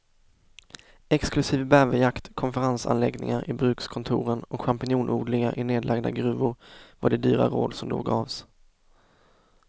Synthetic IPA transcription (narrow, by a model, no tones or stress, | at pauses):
ɛksklɵsiːvbævəjakt̪kʰɔnfəɾansa̰nlɛɡnɪ̰ŋaɾʔɪbɾʉ̟ːkskʰɔnt̪ʰuːɾənɔkɧampɪnuːnʔuːɖ̪lɪɡaʔɪneːd̪lʔaɡd̪aɡɾʉ̟ːvʊɾvaɖɛd̪yːɾa̰ɾoːd̪sɔmd̪o̰ːɡɑːvs